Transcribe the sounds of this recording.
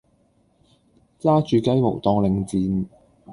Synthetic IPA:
t͡saː˥t͡ʃyː˨˧kɐ˥jmo̰˨˩wt̪ɔː˧ŋlɪ˨˧ŋt͡siː˨˧n

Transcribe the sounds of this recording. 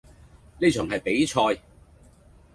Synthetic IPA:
ne˥˧t͡ʃʰœː˨˩ŋhɐ˨jpe˨˥jt͡ʃʰɔː˧j

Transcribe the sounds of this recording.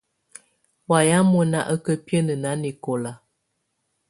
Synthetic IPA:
wa˨ja˦mo˦na˦ʔə˦kə˦pjə˦nə˨na˨˦ni˨ko˨la˨

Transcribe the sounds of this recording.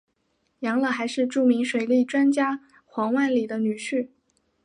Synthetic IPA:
jɑ˧˥ŋlə˨˩xa˧˥ɪʂɻ̩˥˧ʈ͡ʂu˥˩mi˧˥ŋʂwe˨˩ɪli˥˩ʈ͡ʂwa˥nt͡ɕja˥ | xwɑ˧˥ŋwa˥˩nli˨˩d̪ə˦ny˨˩ɕy˥˩

